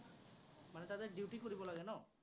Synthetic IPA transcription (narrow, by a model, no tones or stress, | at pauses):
manet̪ad̪eɾɖiwʈikoɾibɔlaɡenɔ